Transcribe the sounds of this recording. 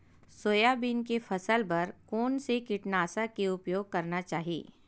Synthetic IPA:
soːjabiːnkefɐsəlpɐɾkoːnsekɪʈnaːsakeʊpjoːɡ̚kɐɾnat͡ʃaːɦiḛː

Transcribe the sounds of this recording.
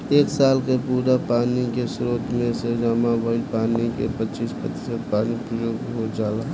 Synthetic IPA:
eːksaːlkepuːɾapaːnikesɾoːt̪mẽsed͡ʒamãbəɪlpaːnikḛpət͡ʃiːspɾə̰t̪ɪ̥səd̪̚paːnipɾəjoːɡɦod͡ʒaːlaː

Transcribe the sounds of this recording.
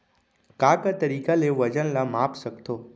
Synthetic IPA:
kakat̪əɾikaleʋəd͡ʒənlamapsəkt̪oː

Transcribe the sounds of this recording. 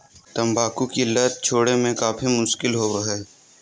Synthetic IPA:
t̪ɐmbʱaːkukilɐt̪̚t͡ʃʰoːɽemẽkaːfimʊʃkɪlɦoːbɐɦɛː

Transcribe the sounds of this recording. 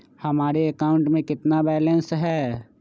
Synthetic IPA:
hɐmaːɾeɐkaːʊ̃ɳʈmẽkɪt̪nabɛːlə̃nsɦɛː

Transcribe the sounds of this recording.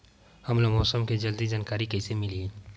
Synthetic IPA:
hɐmloɡmɔːsəmked͡ʒɐld̪id͡ʒaːnkaːɾikɐɪsemɪlie

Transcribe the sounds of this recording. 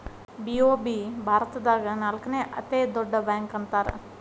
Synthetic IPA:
biːoːbiːbʱaːɾɐt̪ɐd̪aːɡɐnaːlkɐneʔɐt̪eːd̪oɖːɐbaːŋkɐnt̪aːɾ̰

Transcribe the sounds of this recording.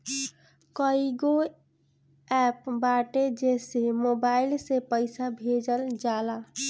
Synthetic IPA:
kəiɡo | ɛpbaʈed͡ʒesemobailsepəɪsabʱed͡ʒəld͡ʒala

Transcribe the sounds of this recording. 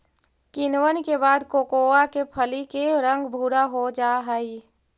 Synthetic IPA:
kɪnwənkebaːd̪koːkoːakepʰəlikeɾə̃ŋɡbʱuːɾaɦod͡ʒaːɦəi

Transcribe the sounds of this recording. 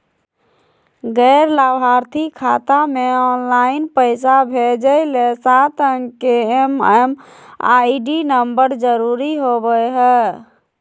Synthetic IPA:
ɡɛɪɾlabʱaɾt̪ʰikʰat̪ameɔnlainpəɪsabʱed͡ʒəlesat̪ʰəŋkeemɛm | a̰iɖinəmbəɾd͡ʒəɾuɾiɦobəjɦɛ

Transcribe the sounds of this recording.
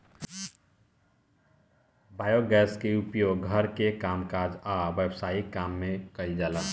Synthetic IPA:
baːjoɡɛːskeupjoːɡɡʱəɾkekaːmkad͡ʒaʋjəbsaːikaːmːẽkəid͡ʒaːlaː

